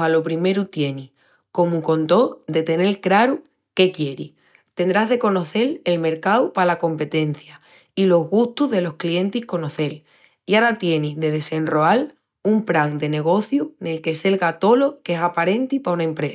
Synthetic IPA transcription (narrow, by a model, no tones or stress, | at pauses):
alo̞pɾime̞ɾut̪je̞nih | ko̞muko̞nt̪o̞d̪e̞t̪e̞ne̞lkɾaɾu | ke̞kje̞ɾḭh | t̪e̞nd̪ɾaɦðe̞ko̞no̞θe̞le̞lme̞ɾkawpalako̞mpe̞t̪e̞n̟θja | ilo̞ɦɣuht̪uðe̞lo̞hklie̞nt̪ihko̞no̞θe̞l | iaɾat̪je̞niðe̞ðe̞se̞nro̞al | umpɾaŋd̪e̞ne̞ɣ̞o̞θjune̞lke̞se̞lɣat̪o̞lo̞kesapaɾe̞nt̪ipaunaempɾe